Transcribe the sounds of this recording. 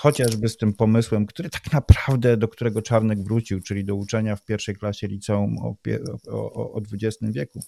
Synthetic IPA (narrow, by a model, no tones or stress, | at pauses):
xɔt͡ɕaʐbɘst̪ɘmpɔmɘswɛmkt̪uɾɘt̪ḁknapɾavd̪ɛd̪ɔk̚t̪uɾɛɡɔt͡ʂaɾnɛɡvɾut͡ɕiwt͡ʂɘlʲid̪ɔut͡ʂɛɲafpʲjɛɾfʂɛjklaɕɛlʲit̪sɛumɔ̰pʲɛ̰ɔːd̪vud͡ʑɛst̪ɘmvʲjɛku